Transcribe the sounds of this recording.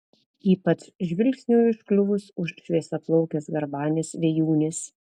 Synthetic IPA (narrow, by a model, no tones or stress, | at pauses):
iːpɐt̪sʒʲʋʲɪlʲksʲnʲuːɪʃklʲʊʋʊsʊʃʃʲʋʲiɛsʲɛplˠɔʊkʲɛsɡɐɾbɑːnʲɪsʋʲɛjuːnʲɪs